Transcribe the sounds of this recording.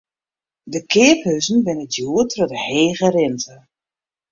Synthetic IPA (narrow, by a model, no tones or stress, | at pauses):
dəkʰɪəphøzn̩ʋɪnətjuətrɔdəheːɣəɾɪntə